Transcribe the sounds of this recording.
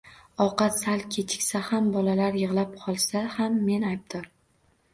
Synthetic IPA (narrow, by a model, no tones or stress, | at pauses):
ɒqɑt̪salˠkʲʰe̞t͡ʃʰɪ̥kʲsahambɒlalaɾjɨʁlap̚qʰɒlˠsahamːe̞najb̚d̪̥ɒɾ